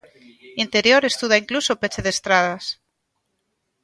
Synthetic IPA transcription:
int̪eɾjoɾest̪uðaiŋklusopet͡ʃeðest̪ɾað̞as

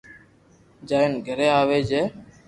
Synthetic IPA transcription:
d͡ʒaːɪnɡʱəɾeːaːʋeːd͡ʒeː

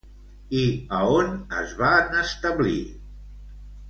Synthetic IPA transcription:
iəonə̰zβanəst̪əβlḭ

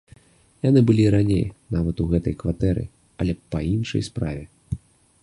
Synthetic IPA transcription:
janɨbɨlʲiɾanʲḛjnavɐt̪uɣɛt̪ɐ̰jkvat̪ɛɾɨ̰ | ɐlʲɛpɐinʂɐ̰jspɾa̰vʲɛ

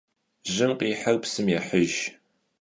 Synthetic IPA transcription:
ʒɨmqiːħərpsɨmjɛħəʒ

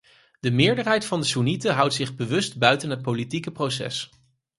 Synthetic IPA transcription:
d̥əmɪːɹdəɹɦɛjtfɑndəsunitəɦʌwtsɪχbəʋɵstbœɥtənɦət̚politikəprowsɛ̰s

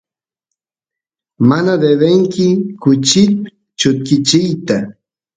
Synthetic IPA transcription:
manad̪ed̪eŋkɪkʊt͡ʃɪt̪ | t͡ʃʊt̪kɪt͡ʃɪjt̪a

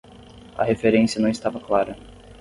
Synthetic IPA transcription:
ɐ̰hefeɾẽsiɐnɐ̃w̃ɪst̪avɐklaɾɐ

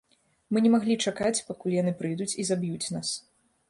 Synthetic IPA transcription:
mɨnʲɛmaɣlʲit͡ʂakat͡sʲpakulʲjanɨpɾɨjd̪ut͡sʲizabjut͡sʲnas

